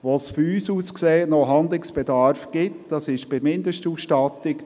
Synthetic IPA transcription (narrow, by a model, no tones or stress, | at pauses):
ʋosfyɾyːsuːskseːtnoɦɑnd̪lɪksb̥ɛd̪ɑɾfɡ̥ɪtd̥ɑsɪʃb̥ɪɾmɪnd̪əʃtuːsʃtɑt̪ɪk